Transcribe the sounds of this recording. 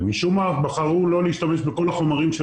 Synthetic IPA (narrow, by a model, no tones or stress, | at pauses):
miʃumafbaχaʁulo̞leiʃt̪ame̞ʃbeko̞laχo̞maʁimʃe